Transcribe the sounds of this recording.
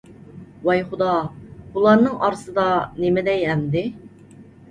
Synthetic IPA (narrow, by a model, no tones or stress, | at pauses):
wɑjχʊd̪ɑbulˠɑɾnɨŋʔɑɾɨsɨd̪ɑnemɪd̪ɛjɛmd̪ɪ